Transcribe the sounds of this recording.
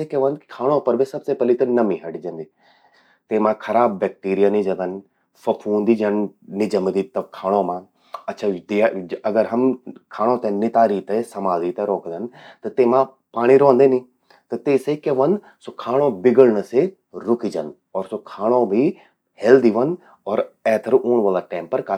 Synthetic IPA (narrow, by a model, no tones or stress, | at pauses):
ekeʋə̃nd̪kʰaːɽ̃õpɐɾbʱisɐbsepɐlit̪ɐnɐmĩɦɐɽid͡ʒɐ̃nd̪iː | t̪eːmãkʰɐɾaːbːɛk̚ʈiːɾijanid͡ʒɐ̃d̪ən | fɐpʰuːnd̪id͡ʒɐnnid͡ʒɐmd̪it̪ɐkʰaːɽ̃omãː | ɐtːʃʰad̪iɐɡəɾɦɐmkʰaːɽ̃õːt̪ɛ̃ːnɪt̪aːɾiːt̪ɛsəmaːld̪iːt̪ɛːɾoːkd̪ənt̪et̪eːmãː | paːɽ̃ĩːɾõːnd̪eːnĩː | t̪et̪eːsekeːʋən | soːkʰaːɽ̃õːbɪɡəɽnəse | ɾʊkiːd͡ʒən | ɔːɾsoːkʰaːɽ̃õːbiː | hɛld̪iːʋən | ɔːɾɛːt̪ʰəɾʔuːɳʋəːlaːʈɛ̃ːmpəɾka